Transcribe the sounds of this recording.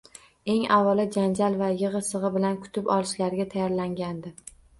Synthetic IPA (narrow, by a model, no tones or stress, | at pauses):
e̞ŋavɒlɪd͡ʒand͡ʒalvajɨʁɨsɨʁɨbɪlankʰʊ̥t̪ʰɪpɒlɪʃlaɾɡʲat̪ʰajɒɾlaŋɡʲand̪ɪ